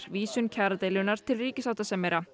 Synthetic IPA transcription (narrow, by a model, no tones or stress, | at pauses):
ɾ̥viːsʏncʰɛɾat̪eːjlʏnːaɾ̥t̪ʰɪlriːcɪsawt̪asɛmːejɾa